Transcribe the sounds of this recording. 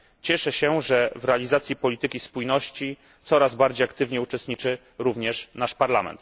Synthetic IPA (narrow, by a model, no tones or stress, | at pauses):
t͡ɕɛʂɛɕɛʐɛvɾɛalʲizat̪sʲjipɔlʲit̪ɘkʲispujnɔɕt͡ɕi | t̪sɔɾazbaɾd͡ʑejakt̪ɘvɲɛut͡ʂɛst̪̚ɲit͡ʂɘ | ɾuvɲɛʂnaʂpaɾlamɛ̰nt̪